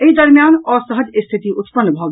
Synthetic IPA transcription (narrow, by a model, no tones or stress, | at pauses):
eɦid̪ɐɾmjaːnɔːɾsəɦəd͡ʒɪst̪ʰɪt̪iʔʊt̪pənːbʱoːɡ